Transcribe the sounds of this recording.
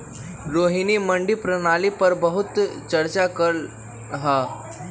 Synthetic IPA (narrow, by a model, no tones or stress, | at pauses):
ɾoɦiniməɳɖipɾənalipəɾbəɦut̪t͡ɕəɾt͡ɕakəɭ | ɦa